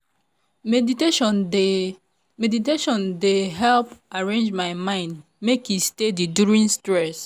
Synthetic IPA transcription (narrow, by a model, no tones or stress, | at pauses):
mediteʃɔne | mediteʃɔ̃ndeɦɛlpaɹẽnd͡ʒmaɪmãɪ̃nd | mekjustediduɹĩnstɹɛs